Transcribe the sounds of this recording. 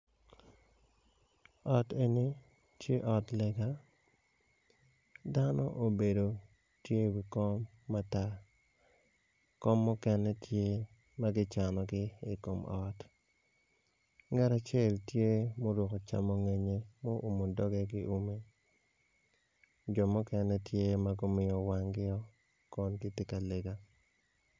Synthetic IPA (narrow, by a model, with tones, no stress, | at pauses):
ɔ˨te˨ni˦ | tje˦ʔɔ˨tlɛ˨ɡa˦ | da˦nɔ̰˦ʔo˨be˨do˨ | tje˦wi˨kɔ˦mː | a˦ta˦ | kɔ˦mːɔ˦kɛ˦nɛ˦tje˦ | ma˦ɡɪ˦t͡ʃa˨nɔ˨ɡɪ˦i˨ko˨mɔ˦t | ŋɛ˦ɾa˨t͡ʃe˦˨ltje˦mo˦dwɔ˨ko˨t͡ʃa̰˦mo˦ŋe˨ɲe˦mo˦ʔo˨mo˨dɔ˦ɡɛ˦ɡɪ˦ʔu˦me˦ | d͡ʒɔ˨mʊ˦kɛ˦nɛ˦tje˦ma˦ɡo˦mɪ˨jɔ˨wa˨ŋɡɪ˦ɔ˦ | kɔ˦nkɪ˦tɪ˦ka˨le˨ɡa˦